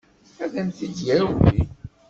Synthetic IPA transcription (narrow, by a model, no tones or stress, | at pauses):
æðænθidjæwḭ